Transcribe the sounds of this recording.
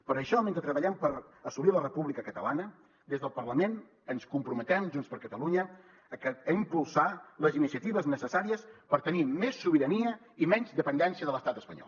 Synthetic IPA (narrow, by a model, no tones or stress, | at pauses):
pəɾəʃɔmẽnt̪ət̪ɾəβəʎɛmpəɾəsulilərəpuβlikəkət̪əlanə | d̪ezðəlˠpəɾləmen | ənskumpɾumət̪ɛmʒunspəɾkət̪əluɲəː | kəəimpulˠsaləzinisiət̪iβəznəsəsaɾiəspəɾt̪ənimesːuβiɾəniə | imɛɲzd̪əpənd̪ɛnsiəðələst̪at̪əspəɲɔ̰lˠ